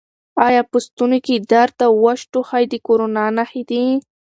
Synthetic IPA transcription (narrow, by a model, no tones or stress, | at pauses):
ɑjɑpəst̪unoked̪aɾt̪awaʃʈoxajd̪əkoɾonɑnaxid̪i